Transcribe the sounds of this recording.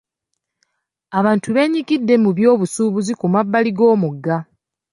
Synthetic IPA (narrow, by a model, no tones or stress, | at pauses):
aβaːntʰuβe̞ːɲiɡidːe̞muβjo̞ːβusuːβuzikumabːaliɡo̞ːmuɡːa